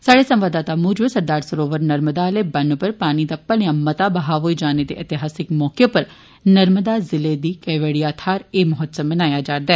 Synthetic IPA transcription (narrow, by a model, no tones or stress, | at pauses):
saːɽeːsə̃mʋaːd̪aːt̪aːmuːd͡ʒʋəsəɾd̪aːɾsəɾoːʋəɾnəɾməd̪aːleːbənpəɾpaːniːd̪aːpəljãːmət̪aːbəɦaːɦoːiːd͡ʒaːneːd̪ḛːʔət̪ɪɦaːsɪkmɔːkepəɾ | nəɾməd̪aːzɪleːd̪iːkɛʋeːɽiːaːt̪ʰaːɾeːmʊɦət̪səmbənaːjaːd͡ʒaːɾd̪ɛː